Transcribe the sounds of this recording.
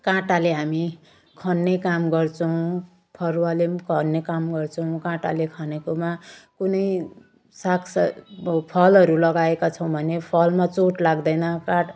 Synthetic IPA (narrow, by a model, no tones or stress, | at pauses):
kãʈaleɦami | kʰʌnːekamɡʌrt͡sʰʌw̃ | pʰʌrwalekʰʌnːekamɡʌrt͡sʰʌw̃kãʈalekʰʌnekomakunʌj | sakʰsʌpʰʌlɦʌɾulʌɡaekat͡sʰʌ̃w̃bʱʌnepʰʌlmat͡soʈlaɡd̪ʌjnʌkãʈ